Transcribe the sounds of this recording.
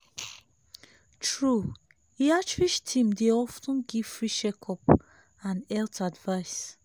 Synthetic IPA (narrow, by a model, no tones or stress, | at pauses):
tʰɹu | iat͡ʃwiʃtʰĩmdeɔfnũnɡivfɹiʃɛkʰɔp | ãnɛltadvaɪs